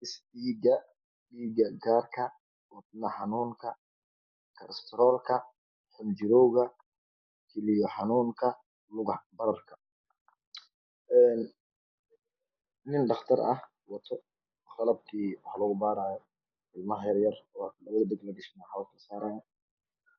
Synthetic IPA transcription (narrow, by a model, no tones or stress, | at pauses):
ɪsiːɡɐ | ɗiːɡɐɡaːrkʰɐ | wɑd̪nɐħɑnuːŋkʰɐ | kʰɐɾst̪ʰɾɔːlkʰɐ | ħʊmd͡ʒɪɾɔːɣɐ | kʰɛlɪjɔħɑnuːŋkʰɐ | lʊɣɑħbɐɾɐrkʰɐ̥ | ʔɛːn | nɪnɖɑχt̪ʰɐɾʔɐ̰h | wɑt̪ʰɔ | χɑlɐb̚kʰiːwɑħlɐɣʊbaːɾaːjɔ | ɪlmɐhjɐrjɐrwlɐβɐðɐd̪ɐɡlɐɡɪʃnaħalkʰɐsaːɾɐjɐ